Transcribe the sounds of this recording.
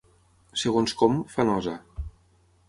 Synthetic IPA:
seɣonskɔmfanɔza

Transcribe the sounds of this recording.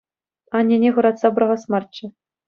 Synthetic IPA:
ɑnʲːenʲeʁɤ̆ɾɑt̪sɑbɤɾɤʁɤ̆smɑrt͡ɕːɘ̆

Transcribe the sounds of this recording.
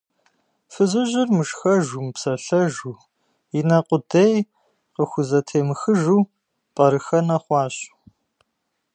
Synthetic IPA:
fɨzɨʑɪrmɨʃxɐʒumpsɐɬɐʒuː | inɐqʷʼʊdej | qəxʷʊzɐtʰeːmɨxɨʒuː | pʼɐɾɨxɐnɐχʷɑːɕʼ

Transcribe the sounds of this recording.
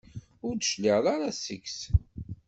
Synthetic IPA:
ʊɾd̪ʃliʁðˤaɾasəks

